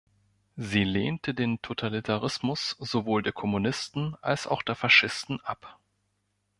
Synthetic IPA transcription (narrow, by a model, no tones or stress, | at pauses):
ziːleːntʰədeːntʰotʰalitʰaʁ̞ɪsmʊsz̥ovoːldeːɐkʰɔmunɪstn̩ʔa̰lsa̰ʊxd̥eːɐfaʃɪstn̩ʔap